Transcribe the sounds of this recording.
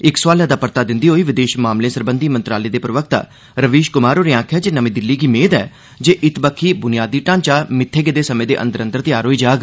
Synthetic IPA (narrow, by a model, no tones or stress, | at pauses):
ɪkswaːlaːd̪aːpəɾt̪aːd̪ɪnd̪iːɦoːiːʋɪd̪eːʃmaːmlẽːsəɾbənd̪iːmənt̪ɾaːleːd̪eːpɾəʋək̚t̪a̰ː | ɾəʋiːʃkʊmaːɾoːɾeãːkʰjaːd͡ʒeːnəmĩːd̪ɪlːiːɡiːmeːd̪ɛː | d͡ʒeːʔɪt̪bəkʰːiːbʊnijaːd̪iːʈãːnt͡ʃaːmɪt̪ʰːeːɡeːd̪eːsəmẽːd̪eːʔə̰nd̪əɾə̃nd̪əɾt̪ɪjaːɾɦoːiːd͡ʒaːɡ